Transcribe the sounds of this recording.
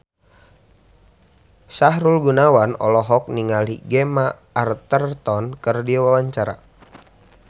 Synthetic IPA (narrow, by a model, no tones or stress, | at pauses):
saɦɾulɡunawanɔ̰lɔɦɔk̚niŋaliɡɛmaː | rt̪ərt̪ɔnkərdiawawaɲt͡ʃaɾa̰